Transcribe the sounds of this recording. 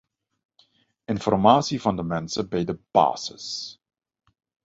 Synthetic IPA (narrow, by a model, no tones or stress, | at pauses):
ʔɪnfɔrmaːsivɑndəmɛnsəbɛjdəb̥a̰ːsə̰s